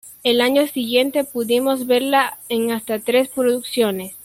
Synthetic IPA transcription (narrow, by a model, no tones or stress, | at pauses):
e̞laɲo̞siɣje̞nt̪e̞puðimo̞zβe̞ɾlaeŋast̪at̪ɾe̞spɾoðuksjo̞ne̞s